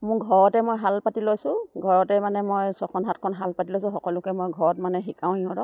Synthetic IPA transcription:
mʊɹɡʱɔɹɔtɛmojɦalpatilojsʊ̃ɡʱɔɹɔtɛmanɛmojsɔkʰɔnɦat̚kʰɔnɦalpatilojsʊ̃xɔkɔlʊkɛmojɡʱɔɹɔtmanɛxikãʊ̃iɔ̃dɔ

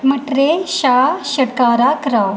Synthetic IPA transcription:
məʈɾeɕaɕɐɽkaːɾakɾa

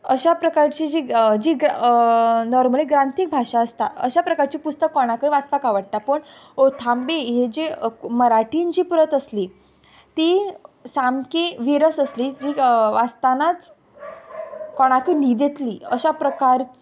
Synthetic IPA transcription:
əɕapɾəkaɾt͡ɕid͡ʑiːd͡ʑiːɡ | nɔɾməliɡɾant̪iːk̚bʱaʂaəst̪aə̰ɕapɾəkaɾt͡ɕiːpust̪əkːɔɽ̃akəʋaspakaʋəɽʈapəɳ | ot̪ʰambeɦed͡ʑeməɾaʈind͡ʑiːpuɾət̪əsliː | t̪iːsamkeʋiɾəsəsliːd͡ʑiːʋast̪anat͡s | kɔɽ̃akənid̪et̪lḭːə̰ɕapɾəkaɾ

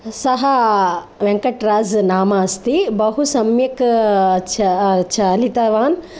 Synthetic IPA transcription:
sɐɦɐ | ʋeŋkɐʈɾaːznaːmaːst̪ibɐɦusɐmjɐkt͡ʃʰɐt͡ʃʰɐlit̪ɐʋaːn

